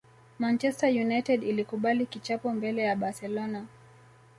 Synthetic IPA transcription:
mant͡ʃɛstajunajtɛdilikuɓalikit͡ʃapɔmbɛlɛjaɓasɛlɔna

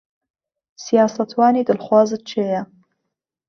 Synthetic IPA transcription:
sijɑːsɐt̪ʰwɑːniːd̪ɨlχwɑːzɨt̪̚t͡ʃʰeːjɐ

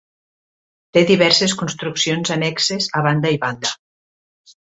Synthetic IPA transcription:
t̪eðiβɛɾseskunst̪ɾuksionzanɛksezaβ̞and̪aiβand̪ə

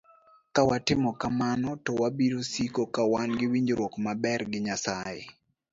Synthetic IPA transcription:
kawatɪmɔkamanɔtɔwabiɾosikokawanɡɪwiɲd͡ʒɾwokmabɛrɡɪɲasajḛ

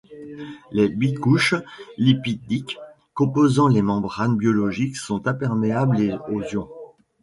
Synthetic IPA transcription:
lebikuʃlipid̪ik | kːɔ̃pozɑ̃lemɑ̃bʁanbjɔlɔʒiksɔ̃t̪ɛ̃pɛʁmeableozjɔ̃

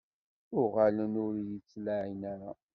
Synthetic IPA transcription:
ʊʁalənʊɾjit͡sːlaʕinaɾa

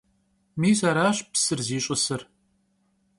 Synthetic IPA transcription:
miːzaɾaːɕpsɨrziːɕʼɐsɨr

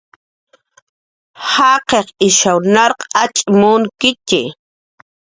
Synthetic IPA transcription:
hɑqeqɪʃawnaɾqat͡ʃʼmʊŋkɪt͡ʃɪ̰

